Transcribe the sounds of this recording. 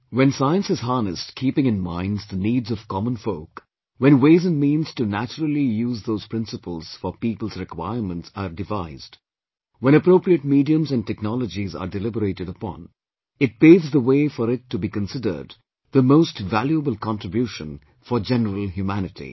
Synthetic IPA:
wɛ̃nsaɪə̃nsɨz̥ɦɑːnɨstkʰipɪ̃ŋɨ̃nmãɪ̃nzðəniːdzʌv̥kɑmə̃nfoʊk | wɛ̃nweɪzɨ̃nmĩːnz̥tunæt͡ʃəɾəl̩ˠijuːzðoʊz̥pɾɪ̃nsəpəlˠz̥fɔɾpipəl̩ˠzɹɪkwa̰ɪəɹmə̃ntsəɾdɪvaɪzd | wɛ̃ñəpɾoʊpɾiət̚midiə̃mzæ̃ntɛknɑləd͡ʒizə̰ɖɨlɪbəɾeɪɾɨɾəpɑ̰̃n | ɨt̚peːvzðəweɪfəɾɪtʰːubikə̃nsɪdə̰˞d̪ | ðəmoʊstvæljuəbəlˠkʰɑ̃ntɹ̥ɨbjuʃə̃n | fɔd͡ʒɛnəɾəl̩ˠɦjumænɨtʰḭ

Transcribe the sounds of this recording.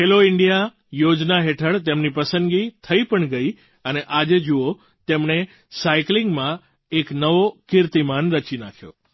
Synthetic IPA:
ɦeloɪɳɖija | jod͡ʒnaɦeʈʰəɭt̪emnipəsənɡit̪ʰəipəɳɡəi | əneʔad͡ʒed͡ʒuo | t̪emɳe | saiklɪŋɡmã | eknəʋokɪɾt̪imanɾət͡ʃinakʰjo̰

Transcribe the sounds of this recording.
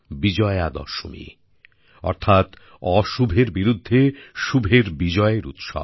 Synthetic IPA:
bid͡ʑɔead̪ɔ̰ʃo̰mḭ | ɔ̰ɾt̪ʰat̪ | ɔʃubʱeɾbiɾud̪ʱːeʃubʱeɾbid͡ʑɔeɾṵt̪ʃɔ̰

